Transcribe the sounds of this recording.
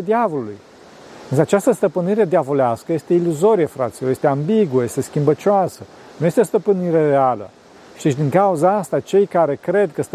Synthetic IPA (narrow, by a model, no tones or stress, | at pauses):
d̪iavo̞luluj | ɨnsəat͡ʃast̪əst̪əpɨniɾe̞d̪javo̞leaskəje̞st̪e̞iluzo̞ɾijəfɾa̰t̪sʲijoje̞st̪eambiɡuəje̞st̪e̞skʲimbət͡ʃoasə | nuje̞st̪eost̪əpɨniɾerealə̰ | ʃi̥d̪et͡ʃʲd̪iŋkauzaast̪at͡ʃe̞jkaɾe̞kɾe̞d̪̚kəst̪